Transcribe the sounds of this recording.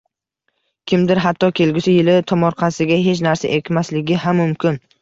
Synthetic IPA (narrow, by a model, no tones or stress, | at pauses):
kʲʰɪmd̪ɪɾɦat̪ʰːɒkʲʰe̞lɡʲɪsɪjɪlɪt̪ʰɒmɒɾqʰɑsɪɡʲaɦe̞t͡ʃnaɾsaʔekʲʰmaslɪɡʲɪhamːʊmkʲʰɪn